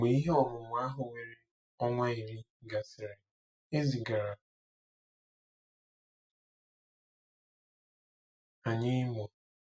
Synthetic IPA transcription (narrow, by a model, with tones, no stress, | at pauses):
ɡ͡be˨i˦ɦe˦ɔ˨ɾʊ˨mʊ˨˦a˦ɦʊ˨we˨ɾe˦ | ɔ˦ŋʷa˦i˨ɾi˦ | ɡa˨sɪ˨ɾe˨ | e˦zi˨ɡa˨ɾa˨ | a˨ɲɪ˦mɔ˨